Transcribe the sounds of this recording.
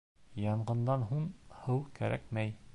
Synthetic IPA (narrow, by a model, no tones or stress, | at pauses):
jɑɴɢɤ̆nd̪ɑnɦuɴhɤwkæɾʔæ̰kmæj